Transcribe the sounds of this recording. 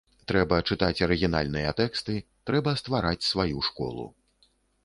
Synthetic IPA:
t̪ɾɛbɐt͡ʂɨt̪at͡sʲɐɾɨɣʲina̰lʲnɨjɐt̪ɛkst̪ɨt̪ɾɛbɐst̪vaɾat͡sʲsvajuʂkɔ̰lˠṵ

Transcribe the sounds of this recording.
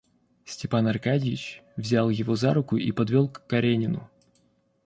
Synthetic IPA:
sʲtʲɪpanɐrkadʲɪjɪt͡ɕvzʲalˠjɪvo̞zaɾʊkʊʔipɐd̪vʲo̞lˠkkːɐɾʲenʲɪnʊ̰

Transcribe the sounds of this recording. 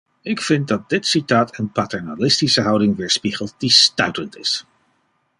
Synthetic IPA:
ɪkfɪnt̚dɑt̚dɪtsitaːtənpaːtɛɹnalɪstisəɦʌwdɪŋʋɪːɹspiχəlˠt̚distœɥtəntɪ̰s

